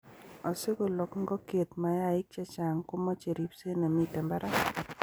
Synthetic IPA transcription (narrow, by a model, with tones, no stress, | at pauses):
ɔ˨sɪ˦ɡo˨lɔ˨kŋɡɔ˦ke˨t̪ma˨ja˦˨ɪ˦k̚t͡ʃa˦t͡ʃa˨ŋkʊ˦mɔ˦t͡ʃe˨ɾi˨pse˦na˨mi˦˨tɛ˨mba˦ɾʔa˦